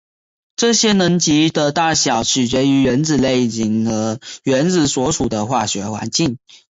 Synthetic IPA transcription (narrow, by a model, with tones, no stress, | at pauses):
ʈ͡ʂɤ˥˩ɕjɛ˥nə˧˥ŋt͡ɕi˧˥d̪ə˧t̪a˥˩ɕjɑ˨˩˦ʊt͡ɕʰɻ̩˨˩t͡ɕɥɛ˧˥y˧˥ɥɛ˧˥nt͡sɹ̩˨˩le˥˩ɪi˨˩ŋɤ˧˥ɥɛ˧˥nt͡s̩˨˩swɔ˧˥ʂu˨˩d̪ə˦xwa˥˩ɕɥɛ˧˥xwa̰˧˥nt͡ɕi˥˩ŋ